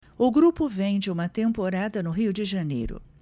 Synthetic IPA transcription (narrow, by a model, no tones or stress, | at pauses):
ʊɡɾupʊvẽj̃d͡ʒɪũmɐt̪ẽmpoɾad̪ɐnʊɦiwd͡ʒɪʒɐnḛjɾʊ̰